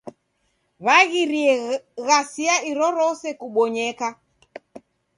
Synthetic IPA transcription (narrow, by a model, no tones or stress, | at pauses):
βaɣiɾiɛɣasiaiɾɔɾɔsɛkuɓɔɲɛka